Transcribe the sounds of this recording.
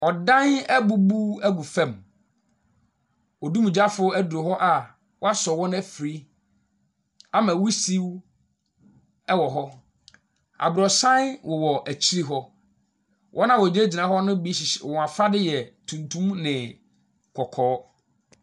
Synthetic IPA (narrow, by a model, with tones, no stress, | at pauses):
ɔ˨dã˦nɛ˦bu˦bu˦æ˦ɡu˨fɛ̃˦˨m | ɔ˨du˦mũ˨d͡ʑa˦fʊ˦æ˦dʊ˨o˨ɦɔ˦ʔa˨ | wɔ˦a˦sɔ˨wɔ̃˦n˦ɛ˦fɾi˦ | a˦mã˨wu˦si˦w | ɛ˦wɔ˨ɦɔ˦ | a̰˨bʊ˨ɾɔ˨sã˦nwʔɔ˨wɔ˨ʔæ˨t͡ɕʰi˦ɾi˦ɦɔ˦ | wʔɔ̰˦nã˦wɔ˨d͡ʑe˦d͡ʑi˨nã˨˦ɦɔ˦nʊ̃˦bi˦ɕɪ˨ɕɔ˨wã˨fa˦dɪ˦jɛ˨tʰũ˨ntʰũ˦mnɪ̃˨ | kʰɔ˨kʰɔː˨˦